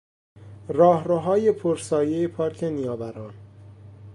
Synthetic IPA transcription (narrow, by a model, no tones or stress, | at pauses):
rɒːɦɾoɦɒːjepʰoɾsɒːjejepʰɒːɾkʰenijɒːbæɾɒːn